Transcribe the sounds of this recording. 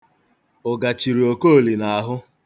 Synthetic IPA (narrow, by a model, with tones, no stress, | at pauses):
ʊ˨ɡa˨t͡ʃi˨ɾi˨o˨ko˦˨li˨na˨a˨ɦʊ˦